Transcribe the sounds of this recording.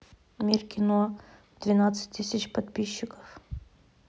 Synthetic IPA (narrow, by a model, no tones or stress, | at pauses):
mʲirkʲɪno | d̪̥vʲɪnat̪sɨ̥t̚ʲt̪ːɨsʲɪt͡ɕpɐt̪pʲiɕːɪkə̥f